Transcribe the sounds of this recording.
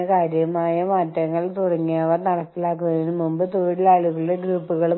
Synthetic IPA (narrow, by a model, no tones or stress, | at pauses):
ekaːɾjɐmaːjɐmaːtːɐŋːɐɭt̪urɐŋːijaːʋɐnɐɽɐt̪ːilaːk̬ːunɐðɐinɨmumbɨt̪oːɽilaːɭuɣɐɭiɽeɡruːpːuɣɐɭu